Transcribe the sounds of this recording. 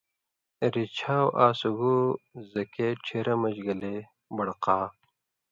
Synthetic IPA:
ɾit͡ɕʰaːwʔaːsuɡuzɐkeʈ͡ʂʰeɾɐmɐd͡ʑɡɐle | bɐɽqaː

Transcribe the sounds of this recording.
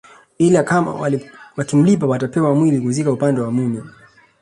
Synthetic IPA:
ilakama̰wawakim̩lip̬awatapɛwamwilikuzikaupandɛwamunɛ

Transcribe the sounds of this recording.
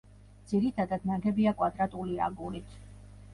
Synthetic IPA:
d̪z̥iɾit̪ʰad̪ad̪naŋkʰɛbiakʼwad̪ɾat̪ʼulia̰ɡulit̪ʰ

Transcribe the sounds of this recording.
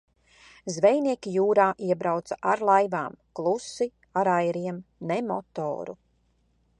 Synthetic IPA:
zvɛjniɛkʲijuːɾaːʔiɛbɾawt̪saʔaɾlˠajvaːmklˠusi | aɾajɾiɛmnɛmɔt̪o̰ːɾṵ

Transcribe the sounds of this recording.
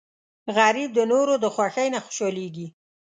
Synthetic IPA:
ɣɑɾid̪ənoɾod̪əxwaxəjnaxʊ̥ʃɑleɡi

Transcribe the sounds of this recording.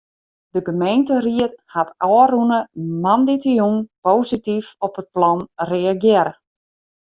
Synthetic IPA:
dəɡəmejntəriəthatʔɔrunəmanditijuŋpoːsitifɔpət̚plɔnreaɡjɪəɾə

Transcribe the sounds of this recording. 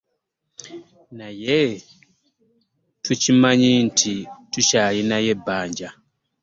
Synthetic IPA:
naje | tucimaɲintʰitucalinaje̞bːaːɲɟa

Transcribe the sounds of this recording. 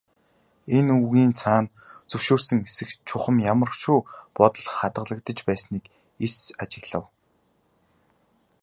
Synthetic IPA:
enuɣiːnt͡sʰaːnt͡sɵwʃoːrsɘ̆ŋesɘ̆xt͡ɕʰʊχə̆mjamə̆rʃuːpɔt̪ɞ̆ɮχat̪ə̆ɮə̆kt̪ə̆t͡ɕpæːsniːk | esat͡ɕɪ̆ɣɮə̆w

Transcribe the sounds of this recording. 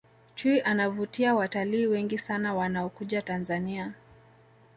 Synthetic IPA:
t͡ʃuiʔanavutiawataliːwɛŋɡisanawanaɔkuʄatanzania

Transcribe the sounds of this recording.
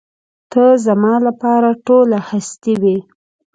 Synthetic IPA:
t̪əzamɑlapɑɾaʈolahast̪iwi

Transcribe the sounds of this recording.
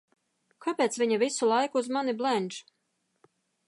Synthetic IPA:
kapʲeːt̪svʲiɲavʲisulˠajkuːzmaniblˠɛnʲʒ

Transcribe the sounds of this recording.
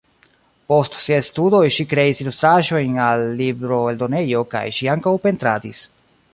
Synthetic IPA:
po̞stsiajstudo̞jʃikɾe̞isilust̪ɾaʒo̞jnalːibɾo̞eldo̞ne̞jo̞ka̰jʃiaŋkawpe̞ntɾadis

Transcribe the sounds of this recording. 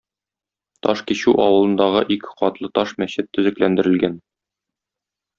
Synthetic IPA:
t̪ɒʃkiɕʉʔɒwɤ̆lˠɤ̆nd̪ɑʁɤʔikqɒt̪lˠɤt̪ɒʃmæɕɘt̪ːɵ̆zɘ̆klænd̪ɘ̆ɾɘ̆lɡæn

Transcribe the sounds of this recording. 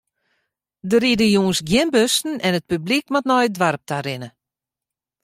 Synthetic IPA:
dəɾidəjuːnsɡjɪnbøstn̩ɛnət̚pyblik̚matnɔjdʋaɾp̚tʰaɾɪnə

